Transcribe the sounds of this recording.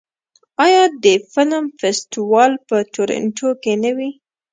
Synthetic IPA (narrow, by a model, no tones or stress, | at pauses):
ɑjɑd̪əfɪləmfest̪iwɑlpət̪oɾɪ̰ɳʈʰokenəwi